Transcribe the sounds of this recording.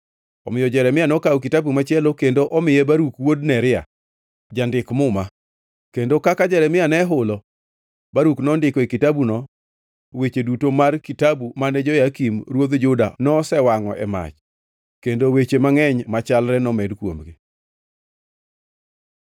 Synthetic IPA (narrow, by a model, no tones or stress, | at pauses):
ɔ̰mɪjɔd͡ʒɛɾɛmɪjanɔkawk̬itabumat͡ʃɪɛlokendoʔɔmɪjebaɾukwodnɛɾɪa̰ | d͡ʒandɪkmʊma | kendokakad͡ʒɛɾɛmɪjanɛɦʊlɔ | baɾuknɔndɪkɔikɪtabunɔ | wet͡ʃedutomarkitabumanɛd͡ʒɔjakimɾwod̪d͡ʒʊda̰nɔsɛwaŋɔʔɛ̰ma̰t͡ʃ | kendowet͡ʃemaŋɛɲmat͡ʃalɾɛnɔmɛdkwo̰mɡi